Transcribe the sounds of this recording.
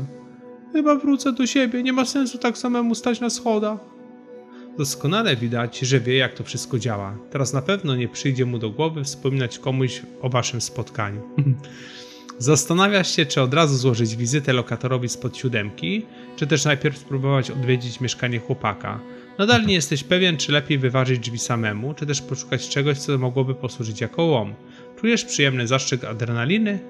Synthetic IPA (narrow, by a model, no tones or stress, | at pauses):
xɘbavɾut̪sɛd̪ɔɕebʲjɛɲɛmasɛnsut̪aku̥samɛmust̪at͡ɕnasxɔd̪a | d̪ɔskɔnalɛvʲid̪at͡ɕʐɛvʲjɛjak̚t̪ɔfʂɘst̪̚kɔd͡ʑawa̰t̪ɛɾasnapɛvn̪ɔɲɛpʂɘjd͡ʑɛmud̪ɔɡwɔvɘfspɔmʲinat͡ɕkɔmuɕɔvaʂɘmspɔt̪ka̰ɲu | zast̪anavʲjaʂɕɛt͡ʂɘɔd̪ɾazuzwɔʐɘd͡ʑvʲizɘt̪ɛlɔkat̪ɔɾɔvʲispɔt̪ɕud̪ɛmkʲi | t͡ʂɘt̪̬ɛʂnajpʲjɛɾfspɾubɔvat͡ɕɔd̪vʲjed͡ʑit͡ɕmʲjɛʂkaɲɛxwɔpa̰ka̰ | nad̪alɲɛjɛst̪ɛɕpɛvʲjɛnt͡ʂɘlɛpʲjejvɘvaʐɘd͡ʑd͡ʐvʲisamɛmut͡ʂɘt̪ɛʂpɔʂu̥kat͡ɕt͡ʂɛɡɔɕt̪sɔmɔɡwɔbɘpɔswuʐɘt͡ɕjakɔwɔm | t͡ʂujɛʂpʂɨjɛmnɘzaʂt͡ʂɛka̰d̪ɾɛnalʲinɘ